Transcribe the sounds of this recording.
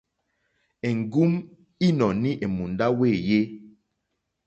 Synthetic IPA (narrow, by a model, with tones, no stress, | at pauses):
e˨ŋ˨ɡu˦m | i˦nɔ˨ni˦ʔe˨mu˨nda˦we˦˨je˦